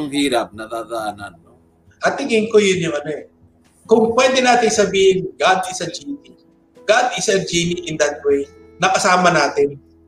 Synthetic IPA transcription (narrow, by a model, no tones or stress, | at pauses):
ŋhiːɾap̚nɐd̪aːd̪ɐʔananːo | ʔɐt̪ɪŋɪŋkojʊnjʊŋʔɐnoʔɛ | kʊŋpwɛːd̪ɛnaːt̪ɪŋsɐbiːhɪnɡad̪ɪsɐd͡ʒiːni | ɡad̪ɪsɐd͡ʒiniʔɪnd̪ɐt̪̚wej | nɐkɐsaːmɐnaːt̪ɪn